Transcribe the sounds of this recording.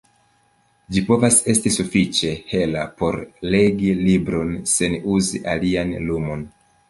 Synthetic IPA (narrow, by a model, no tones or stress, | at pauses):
d͡ʒipo̞vase̞stisufit͡ʃe̞he̞lapo̞ɾle̞ɡilibɾo̞nse̞nuzḭʔalianlumo̞n